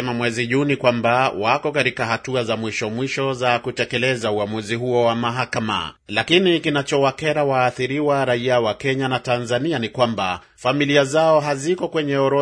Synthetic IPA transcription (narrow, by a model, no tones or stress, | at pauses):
ɛmamwɛziʄunikwambawakɔkatikaɦatuazamwiʃɔmwiʃɔzakutɛkɛlɛzauamuziɦuɔwamaɦakama̰lakinikinat͡ʃɔwakɛɾawaːθiɾiwaɾaiawakɛɲanatanzanianikwamba̰ | familiazaɔɦazikɔkwɛɲɛɔɾɔ